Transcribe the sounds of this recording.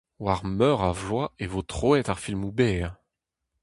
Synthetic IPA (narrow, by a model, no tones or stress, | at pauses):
waʁmœʁavwaevot̪χɔɛt̪aʁfilmubɛʁ